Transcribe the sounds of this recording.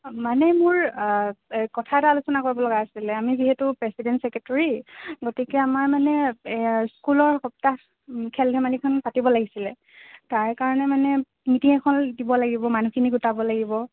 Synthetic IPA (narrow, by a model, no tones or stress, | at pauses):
manɛmʊɹ | kɔtʰatalusɔnakoɹibɔlɔɡaːsilɛamiziɦetupɹɛsidɛntsɛkɛtɔɹiɡotikɛamaɹmanɛ | skulɔɹxɔp̚ta | kʰɛlbʱɛmalikʰɔnpatibɔlaɡisilɛ | taɹkaɹɔnɛmanɛ | mitiŋɛkʰɔndibɔlaɡibɔmanukʰiniɡutabɔlaɡibɔ